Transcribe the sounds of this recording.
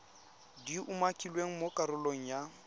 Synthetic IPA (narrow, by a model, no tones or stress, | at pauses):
diʔumakʼilweŋ̩mokʼaɾʊloŋ̩ja